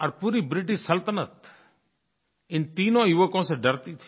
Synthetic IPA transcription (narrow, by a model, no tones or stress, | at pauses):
əɾpuːɾiːbɾɪʈ̬iʃsəlt̪ənət̪ | ɪnt̪iːnõːjʊʋəkõːsẽɖəɾt̪it̪ʰi̥